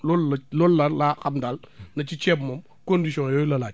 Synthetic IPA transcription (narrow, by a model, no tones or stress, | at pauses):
lollolːaɾlakamdal | nɐt͡ʃit͡ʃɛbmam | kondisɔ̃jolalad͡ʒ